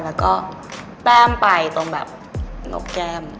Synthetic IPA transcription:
lɛː˦˥wkɔː˥˩ | p̪aː˥˩mpa˧jt̪o˧ŋbɛː˨˩p̚ | no̰˨˩k̚kɛː˧m

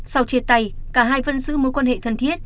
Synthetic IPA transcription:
sa˧wt͡ɕe˧˩t̚t̪a˧˩jkaː˧˩ɦaː˧jvə˧nzɨ̰˧˥mo˨˦jkwaː˧nhḛ˧˨t̪ʰə˨˩nt̪ʰi˦˥ət̚

